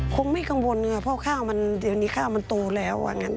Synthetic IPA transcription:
kʰo˧ŋma˧˥˩jka˧ŋwo˧n˧a˧˩pʰɔ˧˥˨kʰaː˥˩wma˧nde˨˧˩niː˧˥˩kʰaː˥˩wma˧nt̪oː˧lɛː˦˥wa̰˧ŋa˧˥n

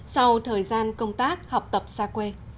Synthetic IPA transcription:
sa˧wt̪ʰəː˨˩jzaː˧nkə˧wŋ͡mt̪aː˦˥k̚ha˨˩wk͡p̚t̪ə˨˩p̚saː˧kwe˧

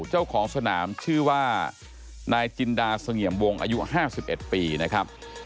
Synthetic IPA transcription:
t͡ɕa˥˩wkʰɔː˩˦ŋsa˧naː˩˦mt͡ɕʰɯː˥˩waː˥˩ | naː˧jt͡ɕi˧ndaː˧sa˧ŋi˨˩əmwo˧ŋʔa̰ː˧ju˦˥haː˥˩si˨˩p̚ʔe˨˩t̪̚piː˧na˦˥kʰɾa˦˥p̚

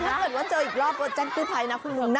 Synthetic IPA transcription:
a˥˦˩pɤː˨˩t̚waː˥˩t͡ɕɤː˧ʔiː˨˩k̚ɾɔː˥˩p̚t͡ɕa˧nkuː˥˩t̪ʰa˧jna˦˥kʰu˧˩mu˧ŋnaː˥

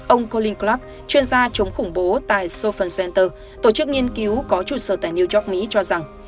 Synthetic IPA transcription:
ʔə˧wŋ͡mko˧li˧ŋkla˦˥k̚ | t͡ɕwi˧ənzaː˧t͡ɕə˨˦wŋ͡mxʊ˧˩ŋ͡mɓo˨˦t̪a̰ː˧˨jso˧fə˨˧˩nsɛ˧nt̪əː˧ | t̪o˧˩t͡ɕɨ˦˥k̚ŋi˧ənki˨˦wkɔ˨˦t͡ɕṵ˧˩səː˧˩t̪aː˧˨jni˧əzɔ˦˥k̚mi˨˦t͡ɕɔ˧za˨˩ŋ

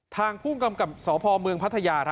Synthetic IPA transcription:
t̪ʰaː˧ŋpʰuː˥˩ŋka˧mka˨˩p̚sɔː˩˦pʰɔː˧mɯ˧əŋpʰt̪ʰːa˧jaː˧ɾ

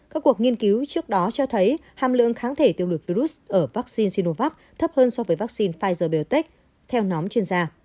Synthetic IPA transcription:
kaː˦˥kːu˨˩ək̚ŋi˧ənki˨˦wt͡ɕɨ˦˥ək̚ɗɔ˨˦t͡ɕɔ˧t̪ʰə˨˦jhaː˨˩mlɨ̰˧˨əŋxaː˨˦nt̪ʰe˧˩t̪i˧˨əwlu˨˩vi˧ɾu˦˥sʔəː˧˩vaː˦˥k̚si˧nsi˧no˧vaː˦˥k̚ | t̪ʰə˦˥p̚həː˧nsɔ˧vəː˨˦jvaː˦˥k̚si˧nfaː˧jzəː˧˩ɓe˨˩wt̪e˦˥k̚ | t̪ʰɛ˧wnɔ˨˦mt͡ɕwi˧ənzaː˧

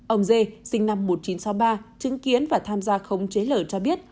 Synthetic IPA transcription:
ʔə˧wŋ͡mze˧sï˧ŋ̟na˧mːo˨˩t̚t͡ɕi˨˦nsɔ˨˦wɓaː˧t͡ɕɨ˨˦ŋki˨˦ənvaː˨˩t̪ʰaː˧mzaː˧xə˨˧wŋ͡mt͡ɕe˨˦ləː˧˩t͡ɕɔ˧ɓi˦˥ət̚

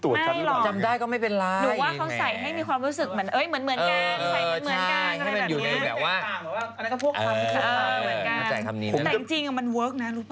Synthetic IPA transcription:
t̪u˨˩ə˥˧˦mlɔ˧˨˩t͡ɕa˧mdaː˥˩jkɔ˥˩ma˥˩jpe˧nlaː˦˥ɾɯː˨˦waː˥˩kʰa˦˥wsa˨˩jɦa˥˩jmiː˧kwaː˧mɾuː˦˥sɯ˨˩k̚mɯ˩˦ənʔɤː˦˥jmɯ˩˦nmɯ˩ənka˧nː˧a˨˩˦nt͡ɕɯ˨˦əa˥n˥kajka˥˩ma˧˩juː˨˩˨na˧jbɛː˨˩p̚waː˥˩aː˧˩mɛ˨˦wa˥˩a˧n˧˦kɔ˥˩pʰu˥˩a˧˩ma˧˩pʰu˥˩ʔkɤː˧˥˩mɯ˩˦ə˩˦nkaa˧nt͡ɕa˧jkʰa˧niː˦˩˦ɛː˨˩˧i˧˩ŋt͡ɕi˧ŋʔa˧˩ma˧nwɤː˦˥k̚na˦˥ɾuː˦˥pʰː

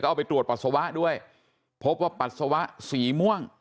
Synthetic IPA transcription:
kɔː˥˩ʔa˧˩pa˧jt̪ɾu˨˩ət̚pa˨t̪̚sa˧wa˦˥ʔdu˥˩əj | pʰo˦˥p̚waː˥˩pa˨˩t̪̚sa˧wa˦˥ʔsiː˩˦mu˥˩əŋ

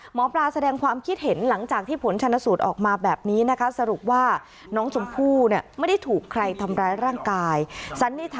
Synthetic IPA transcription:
mɔː˩˦plaː˧sa˧dɛː˧ŋkʰwaː˧mkʰi˦˥t̪̚he˩˦nla˩˦ŋt͡ɕaː˨˩k̚t̪ʰiː˥˩pʰo˩˦nt͡ɕʰa˧nːa˦˥suː˨˩t̪̚ʔɔ̰ː˨˩k̚maː˧bɛː˨˩p̚niː˦˥na˦˥kʰa˦˥sa˧ɾu˨˩p̚waː˥˩ | nɔː˦˥ŋt͡ɕʰo˧mpʰuː˥˩ni˥˩ma˥˩jda˥˩jt̪ʰuː˨˩kʰːɾa˧jt̪ʰa˧mɾaː˦˧˥jɾaː˥˩ŋkaː˧jt͡ɕʰa˦˥nːiː˥˩t̪ʰ

